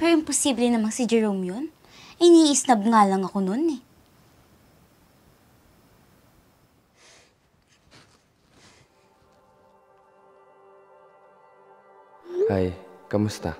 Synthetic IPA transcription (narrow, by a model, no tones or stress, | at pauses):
pɛːɾojɪŋposiːblɛnɐmansɪd͡ʒɛɹowmjo̞n | ʔɪniːʔɪsnɐb̚ŋaːlɐŋɐko̞no̞nɛ | hajkɐmʊst̪a̰